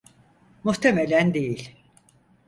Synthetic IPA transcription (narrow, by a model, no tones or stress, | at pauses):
muht̪ʰemelʲænd̪ejilʲ